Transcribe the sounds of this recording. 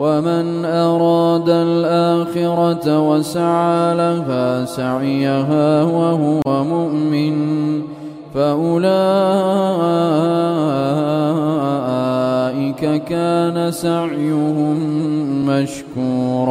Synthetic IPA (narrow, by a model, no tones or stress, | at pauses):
waman | ʔɑɾˤɑːd̪alʔaːxɪɾɑt̪wasaʕaːlafasaʕɪjaɦaːʊwaɦʊwamʊʔmɪn | faʔʊlaː | ʔɪkakaːnasaʕjʊɦʊmːaʃkuːɾ